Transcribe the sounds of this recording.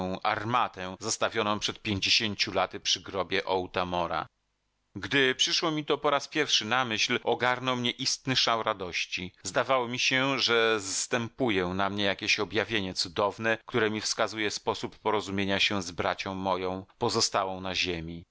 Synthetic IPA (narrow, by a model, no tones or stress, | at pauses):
w̃ʔaɾmat̪ɛzast̪avʲjɔnɔ̃w̃pʂɛt̪̚pʲjeɲd͡ʑeɕeɲt͡ɕulat̪ɘpʂɘɡɾɔbʲjɛʔɔwt̪amɔɾa̰ | ɡd̪ɘpʂɘʂwɔmʲit̪ɔpɔɾaspʲjɛɾfʂɘnamɘɕlɔɡaɾnɔwmɲɛʔist̪nɘʂawɾad̪ɔɕt͡ɕizd̪avawɔmʲiɕɛʐɛzast̪ɛmpujɛnamɲɛjakʲeɕɔbjavʲjeɲɛt̪sud̪ɔvnɛkt̪uɾɛmʲifskazujɛspɔsupːɔɾɔzumʲjeɲaɕɛzbɾat͡ɕɔ̃w̃mɔjɔ̃w̃pɔzɔst̪awɔ̃w̃naʑemʲi